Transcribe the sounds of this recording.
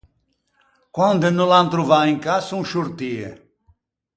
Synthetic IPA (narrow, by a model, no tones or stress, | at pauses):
kwãnd̪enulãnt̪ɾuvaẽŋkasũʃuɾt̪iḛ